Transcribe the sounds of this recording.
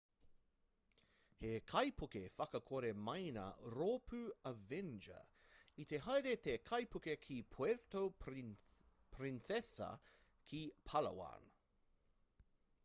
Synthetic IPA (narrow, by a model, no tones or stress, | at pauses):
hekʰɐjpʰukefɐkɐkʰoɾemɐjnɐ̰ɾoːpʰʉɐvɛnd͡ʒɐ̰it̪eɦɐjɾet̪ekʰɐjpukekʰipʰweɾt̪ow | pʰɾinsɛsɐ̰ | kʰipʰɐlɐ̰wa̰ːn